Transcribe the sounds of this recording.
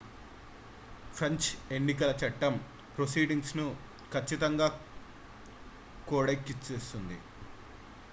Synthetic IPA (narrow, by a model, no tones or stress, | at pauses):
pʰɾɐɲt͡ʃe̞ɳːikɐlɐt͡ʃɐʈːɐm | pɾosiːɖiŋɡsnu | kʰɐt͡ʃːit̪ɐŋɡaː | koːɽɐkːit͡ʃːeːsund̪ḭ